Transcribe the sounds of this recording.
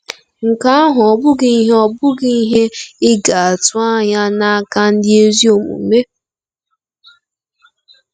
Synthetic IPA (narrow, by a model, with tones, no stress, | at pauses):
ŋ̩˨ka˦a˦ɦʊ˨ɔ˨bʊ˦ɡɪ˦i˦ɦe˦ɔ˦bʊ˦ɡi˦i˦ɦe˦ɪ˦ɡa˨a˨tʊ˦a˦ɲa˦na˦a˦ka˦n̩˦dɪ˦e˦zi˦o˨mṵ˨me˦